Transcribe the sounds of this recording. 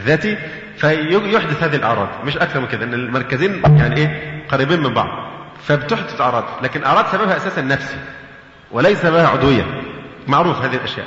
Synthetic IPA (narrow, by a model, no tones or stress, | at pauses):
ðæːt̪i | fæjojoħd̪ʊθhæːðihilʔɑ̰ʕɾˤɑ̰ːd̪mɪʃʔækθɑɾˤmɪnked̪æʔenːelmɑɾˤkæziːnjaʕniʔeːqɑɾiːbiːnmɪmbɑ̰ʕd̪ˤ | fæbet̪oħd̪ʊθʔɑʕɾˤɑːd̪læːkɪnʔɑ̰ʕɾˤɑːd̪sæbæbhæʔæsæːsænːæfsi̥ | welæjsæbæhæʕo̰d̪wɪjːæ̰mɑʕɾuːfhæːðihilʔæʃjæ̰ːʔ